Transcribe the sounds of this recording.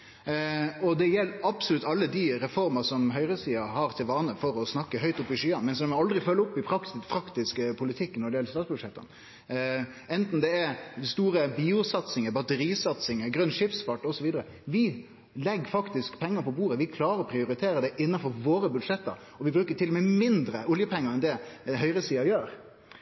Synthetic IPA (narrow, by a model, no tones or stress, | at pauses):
ɔd̪ɛjɛlːɑb̥sʊlʉt̪ːɑlːəd̪iɾɛfɔɾmɑsɔmɦœʏɾəsiːɑhɑɾt̪ʰɪlʋɑːnəfɔɾɔsnɑkːəɦœʏt̪ʊpːɪʂyːɑnmɛnsɔmɛɑld̪ɾɪfœlːəʊpːɪpʰɾɑksɪpʰɾɑkt̪ɪskəpʰʊlɪt̪ʰɪkːnɔɖɛjɛləst̪ɑːt̪sbʉd̪ʂɛt̪ːɑ̰n | ɛnt̪n̩d̪ɛɛd̪ɪst̪uːɾəbiːʊsɑt̪sɪŋəbɑt̪əɾiːsɑt̪sɪŋəɡɾʉnːʂɪpsfɑʈːɔsɔʋiːd̪əɾə | ʋɪ | lɛɡːfɑkt̪ɪskpʰɛŋːəɾpʰɔbuːɾəʋɪkʰlɑːɾəɾɔpʰɾɪʊɾɪt̪ʰeːɾəɖɛʔɪnːɑnfɔɾʋoːɾəbʉd̪ʂɛt̪ːɑ̰ɾ | ɔʋɪbɾʉːkəʈ̪ʰɪlɔmɛmɪnd̪ɾəʊljəpʰɛŋːəɾɛnd̪ɛɦœʏɾəsiːɑjøːɾ